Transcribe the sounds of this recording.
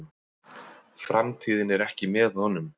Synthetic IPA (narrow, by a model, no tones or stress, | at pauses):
fɾamt̪ʰiːðɪnɛɾɛhcɪmɛðhɔnːʏm